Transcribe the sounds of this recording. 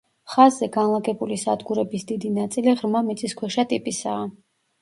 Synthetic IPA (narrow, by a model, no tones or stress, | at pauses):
χazːɛɡanlˠaɡɛbulisad̪ɡuɾɛbisd̪id̪inat̪sʼiliʁɾmamit̪sʼiskʰwɛʃat̪ʼipʼisaː